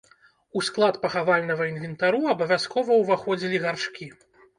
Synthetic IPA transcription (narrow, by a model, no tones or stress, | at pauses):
usklˠat̪pɐxavalʲnɐɣɐinvʲɛnt̪aɾuɐbɐvʲaskɔvɐwvaxɔd͡zʲilʲiɣarʂkʲi